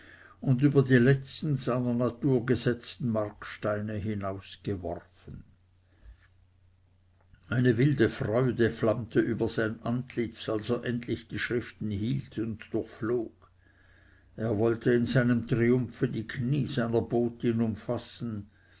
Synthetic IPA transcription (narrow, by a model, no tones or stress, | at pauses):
ʊndyːbɐdiːlɛt͡stn̩z̥aɪnɐnat̪uːɐɡəzɛt͡stn̩markʃtaɪnəɦinaʊsɡ̥əvɔ̰rfən̩ | ʔaɪnəvɪldəfʁɔʏdəflamt̪ʰəʔyːbɐz̥aɪnʔantʰlɪt͡salseːɐʔɛntlɪçd̥iːʃʁɪftn̩ɦiːltʰʊndd̥ʊçfloːɡ̥ | eːɐvɔltəɪnzaɪnəmt̪ʁiʊmfədiːkʰniːzaɪnɐboːtinʊmfasn̩